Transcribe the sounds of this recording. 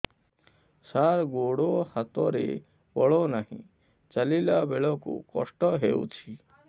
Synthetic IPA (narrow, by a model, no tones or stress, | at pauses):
saɾɡoɽohat̪ɔɾḛ | bɔɭɔnaɦḭ̃ | t͡ʃəlilabeɭɔkṵkɔ̰sʈɔɦeṵt͡ʃʰi